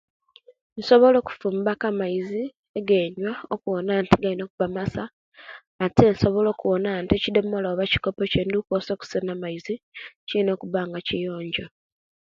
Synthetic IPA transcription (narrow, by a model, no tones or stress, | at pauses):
nso̞βo̞lo̞ːku̥fuːmbakamaizi | eɡe̞ɲwaokuwonaːntiɡalino̞ːkuβamasaː | tenso̞βo̞lo̞ːkuwonantiecidomoloβaci̥kopoceːndukoso̞ːku̥senamaizicilino̞ːkuβaːŋɡacijo̞ːɲɟo